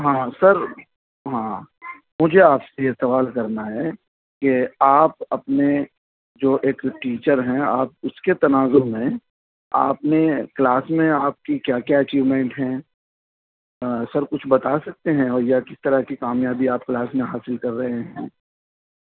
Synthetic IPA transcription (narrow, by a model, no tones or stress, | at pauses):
ɦãːsɐɾ | ɦãː | mʊd͡ʒʱeaːpsejesɐʋaːlkɐɾnaɦɛː | keaːp̚ɐpne | d͡ʒoːʔeːkʈiːt͡ʃəɾɦɛ̃aːp̚ʊsket̪ɐnaːzomẽ | a̰ːpnẽklaːsmẽaːp̚kikjaːkjaɐt͡ʃiːʋmɛ̃ːɳʈɦɛ̃ː | sɐɾkʊt͡ʃʰbɐt̪asɐk̚t̪eɦɛ̃ɔːɾjakɪst̪ɐɾakikaːmjaːbiaːp̚klaːsmẽɦaːsɪlkɐɾːɐɦeɦɛ̰̃ː